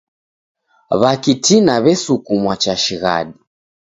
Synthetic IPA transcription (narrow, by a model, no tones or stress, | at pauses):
βakitinaβɛsukumwat͡ʃaʃiɣa̰ɗi